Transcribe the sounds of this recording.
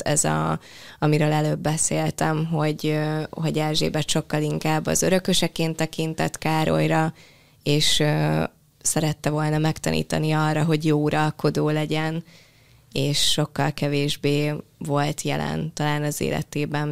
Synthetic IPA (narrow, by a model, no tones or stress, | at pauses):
ɛzɒ̰ɒmiɾøːlɛløːbːɛseːlt̪ɛmɦo̞ɟøho̞ɟɛlʒḛːbɛt̪ʃo̞kːɒliŋkaːbːɒ̰zøɾø̞køʃɛkeːnt̪ɛkint̪ɛ̰t̪kaːɾo̞̰jɾɒ | eːʃø | sɛɾɛt̪ːɛvo̞lnɒmɛkt̪ɒ̰nʔḭːt̪ɒniɒrːɒɦo̞ɟjoːuɾɒlko̞d̪oːlɛɟɛn | eːʃːo̞kːɒlkɛveːʒbeːvo̞lt̪jɛ̰lɛ̰nt̪ɒlaːnɒzḛːlʔɛ̰t̪eːbɛn